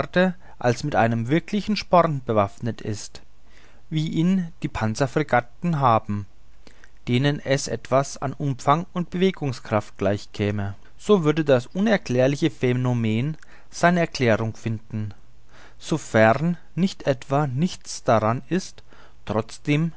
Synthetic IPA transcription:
ʁtə | ʔalsmɪtʔa̰ɪnəmvɪɐkʰlɪçn̩ʃpɔʁtb̥əvafnətɪst | viːʔiːnd̥iːpʰant͡safʁ̥iɡatn̩ɦaːbm̩ | d̥eːnənɛsʔɛ̰tv̥asa̰nʔʊmfaŋʊnt̚b̥əveːɡʊŋskʁ̥aft̚ɡ̥laɪçkʰɛːmə | z̥oːvʏɐdədasʔʊnɛɐkl̥ɛːɐlɪçəfenomeːn | z̥aɪnəɛɐkʰl̥ɛːʁʊŋfɪndn̩ | z̥ofɛʁnː | ɪçtʰʔɛtv̥anɪçt͡sd̥aʁanɪst | tʁ̥ɔt͡sd̥eːm

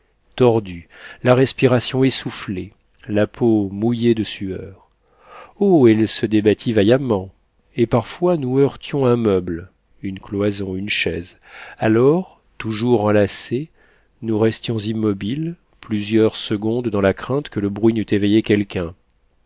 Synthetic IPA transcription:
t̪ɔʁd̪ylaʁɛspiʁasjɔ̃ɛsufle | lapʰomujed̪əsyœ̰ːʁ | oɛlsəd̪ebat̪ʰivajamɑ̃ | epaʁfwanuœʁt̪jɔ̃ɛ̃mœbl | ynklwazɔ̃ynʃɛz | alɔʁ | t̪uʒuʁɑ̃lase | nuʁɛst̪jɔ̃zimːɔbil | plyzjœʁsəɡɔ̃d̪d̪ɑ̃lakχɛ̃t̪kələbʁɥinyt̪evejekʲɛlkʲɛ̃

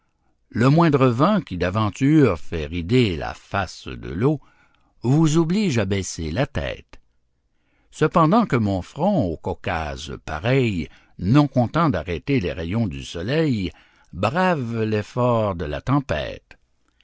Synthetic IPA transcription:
ləmwɛ̃d̪ʁəvɑ̃kʲid̪avɑ̃t̪yʁfɛʁid̪ela̰fasd̪ə̰lo | vuzobliʒabɛselat̪ɛ̰ːt̪ | səpɑ̃d̪ɑ̃kəmɔ̃fʁɔ̃okɔka̰zpa̰ʁɛj | nɔ̃kɔ̃t̪ɑ̃d̪aʁɛt̪elḛʁejɔ̃d̪ysɔlɛj | bʁavlɛfɔːʁd̪əla̰t̪ɑ̃pɛ̰ːt̪

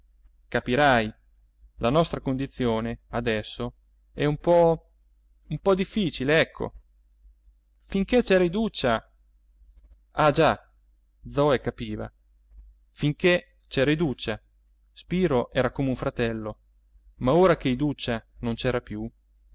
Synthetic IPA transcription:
kapiɾaj | lanɔst̪ɾakond̪it̪sːjoːnead̪ɛsːo | ɛumpɔ | umpɔd̪ifːiːt͡ʃileɛkʰːo̰ | fiŋk̟et͡ʃɛːɾaid̪ut͡ʃːa | ad͡ʒa | d̪zɔekapiːva̰ | fiŋke | t͡ʃɛːɾaid̪ut͡ʃːa | spiːɾoʔɛːɾakoːmeuɱfɾat̪ɛlːo | maoːɾak̟eid̪ut͡ʃːanont͡ʃɛːɾapju

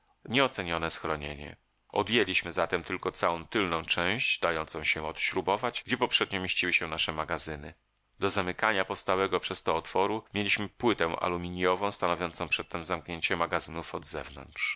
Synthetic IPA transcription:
ɲɛɔt̪sɛɲɔnɛsxɾɔɲḛɲɛ̰ | ɔ̰d̪jelʲiɕmɘzat̪ɛmt̪ɘlkɔt̪sawɔ̃w̃t̪ɘlnɔ̃w̃t͡ʂɛ̃w̃ɕd͡ʑd̪ajɔnt̪sɔ̃w̃ɕɛɔt̪ɕɾubɔvad͡ʑɡd͡ʑɛpɔpʂɛd̪ɲɔmʲjeɕt͡ɕiwɘɕɛnaʂɛmaɡazɘnɘ | d̪ɔzamɘkaɲapɔfst̪awɛɡɔpʂɛst̪ɔːt̪fɔɾumʲjelʲiɕmɘpwɘt̪ɛ̃w̃ʔa̰lumʲiɲjɔvɔ̃w̃st̪anɔvʲjɔntsɔ̃w̃pʂɛt̪ːɛmzamkɲeɲt͡ɕɛmaɡazɘnufɔd̪zɛ̰vnɔ̰ntʂ

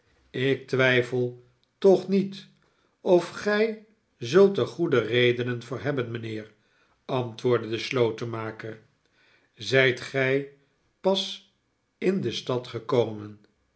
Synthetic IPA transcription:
ɪk̚tʋɛjfəlˠ | tɔχnit | ɔfχɛj | zɵlˠtəχudərejdənənvʊːɹɦɛbənmənɪːɹ | ɑntʋʊːɹdədəslowtəmaːkəɹ | zɛjtχɛj | pɑs | ɪndəstɑtχəkowmən

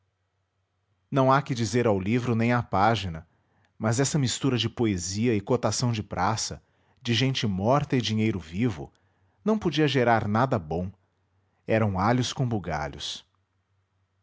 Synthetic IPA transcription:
nɐ̃w̃akɪd͡ʒizeɾawlivɾʊnẽj̃apaʒinɐ | mɐzɛsɐmist̪uɾɐd͡ʒɪpoeziɐɪkot̪asɐ̃w̃d͡ʒɪpɾʔasɐ | d͡ʒɪʒẽnt͡ʃɪmɔɾt̪ɐɪd͡ʒiɲejɾʊvivʊ̰ | nɐ̃w̃pod͡ʒiɐʒeɾaɾnad̪ɐbõw̃ | ɛɾɐ̃w̃aʎʊskõbuɡa̰ʎʊ̰s

